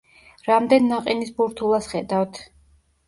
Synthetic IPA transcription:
ɾamd̪ɛnːaqʼinisbuɾt̪ʰulˠasχɛd̪avt̪ʰ

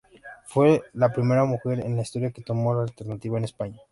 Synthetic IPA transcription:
fwe̞lapɾime̞ɾamuxe̞ɾḛnlaist̪oɾjake̞t̪o̞mo̞laːlt̪e̞ɾnat̪iβaenespaɲa

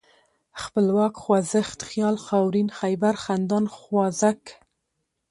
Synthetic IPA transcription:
xpəlwɑkxwɑzəxt̪xjɑlxɑwɾinxajbaɾxand̪ɑnxwɑzak

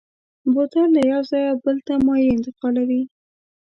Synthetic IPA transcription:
bot̪alajawzɑjabəlt̪amɑjɾiɪnt̪ɪqɑlawi

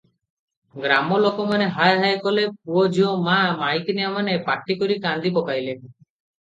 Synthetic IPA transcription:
ɡɾamɔlokɔmaneɦajɦajkɔlep̚uɔd͡ʒiɔmamajknijamanepaʈːikɔɾikand̪ipɔkajlen

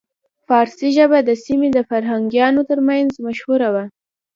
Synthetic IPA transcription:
fɑɾsiʒəbad̪əsimed̪əfaɾɦaŋɡjɑnot̪əɾmanzmaʃhuɾawa

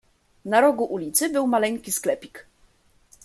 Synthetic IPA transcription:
naɾɔɡuʔulʲit̪sɘbɘwmalɛŋkʲisklɛpʲik

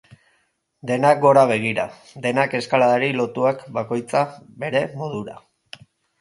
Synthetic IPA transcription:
d̪e̞nak̚ɡo̞ɾaβ̞e̞ɣ̞iɾa̰ | d̪e̞nake̞skalaðaɾilo̞t̪uakbako̞jt͡saβe̞ɾe̞mo̞ð̞uɾa̰

